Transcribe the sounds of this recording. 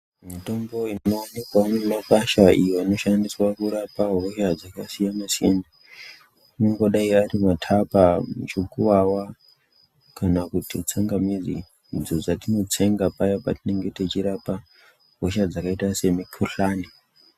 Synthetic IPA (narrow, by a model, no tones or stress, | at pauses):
mito̞mbo̞innoanikwanemakaʃaʔḭjoino̞ʃandiswakuɾapaɦoʃad͡zakasijamasina | unoŋɡo̞ɗaiaɾimatʰapamut͡ʃokuʋawa | kanakutit͡saŋɡamizḭ | d͡zod͡zatino̞t͡se̞ŋɡapajapa̰tine̞ŋɡe̞te̞t͡ʃiɾapa | ɦoʃad͡zakaitase̞mikʰuɬaːni